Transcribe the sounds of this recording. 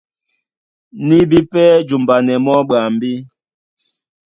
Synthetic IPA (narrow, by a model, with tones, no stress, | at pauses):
ni˦bi˦pɛ˦d͡ʒu˨mba˨nɛ˨mɔ˦ɓa˨m̩˨bi˦